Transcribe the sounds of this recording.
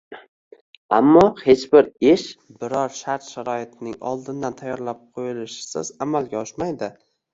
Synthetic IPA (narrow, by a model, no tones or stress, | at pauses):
a̰mːɒhet͡ʃbɪɾeʃbɪɾɒɾʃaɾt̪ʃaɾɒɪt̪ʰɪnɪŋɒ̰lˠd̪ɪnd̪ant̪ʰajːɒɾlap̚qʰojɪlɪʃɪ̥sɪ̰z̥amalɡʲaɒʃmajd̪ɪ